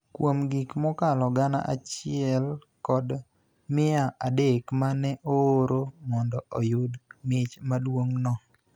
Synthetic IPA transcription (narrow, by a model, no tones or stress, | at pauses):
kwomɡikmɔkalɔɡana̰ʔa̰t͡ʃɪɛl | kɔd | mɪaʔadekmanɛʔoːɾomɔndɔɔjʊdmɪt͡ʃmadwoŋnɔ